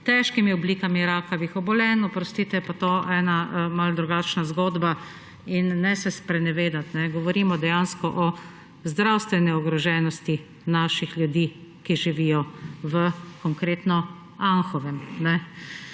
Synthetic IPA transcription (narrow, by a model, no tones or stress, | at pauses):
t̪ɛʃkimiɔbliːkamiɾakaʋixɔbɔlɛːnɔpɾɔst̪iːt̪ɛɛpat̪oɛːnamald̪ɾuɡat͡ʃnazɡoːd̪ba | inːɛsɛspɾɛnɛʋeːd̪at̪nɛɡɔʋɔɾiːmɔd̪ɛjanskɔʔɔ | zd̪ɾawst̪ʋɛnɛɔɡɾɔʒɛːnɔst̪i | naːʃixljud̪iːkiʒiʋiːjɔʋəkɔŋkɾeːt̪nɔ | aŋxɔʋɛmnɛ